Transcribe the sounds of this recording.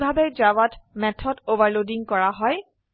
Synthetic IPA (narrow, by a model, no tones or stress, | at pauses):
bʱabɛd͡ʒawatmɛtʰɔdovaɹlodiŋkɔɹaɦɔj